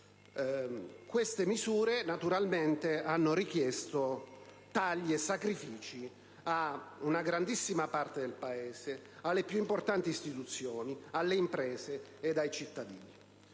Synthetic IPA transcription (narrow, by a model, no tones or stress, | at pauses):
kwest̪emizuːɾenat̪uɾalment̪eanːoɾik̟jest̪o | t̪aʎːiesːakɾifiːt͡ʃi | aunaɡɾand̪isːimapart̪ed̪elpaeːsealːepjuimport̪ant̪iːst̪it̪ut̪sːjoːnialːeimpɾɛːzeːd̪ajt͡ʃit̪ːad̪ḭːni